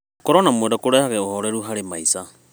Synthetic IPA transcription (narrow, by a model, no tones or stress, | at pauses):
kɔɾonamwadakoɾɛhaɣɛoɦoɾɛɾuɦaɾemaisa